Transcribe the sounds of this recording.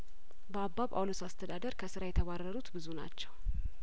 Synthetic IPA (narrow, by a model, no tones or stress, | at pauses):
bəabːaβa̰wlosast̪ʰəd̪ad̪əɾkʰəsɨɾajɛt̪ʰəβarːəɾut̪bɨzuna̰t͡ʃːɛw